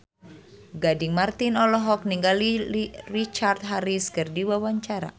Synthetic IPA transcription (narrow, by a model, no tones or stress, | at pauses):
ɡadiŋmart̪inɔlɔɦɔk̚niŋɡalirit͡ʃart̪̚ɦaɾiskɨrdiwawaɲt͡ʃaɾa̰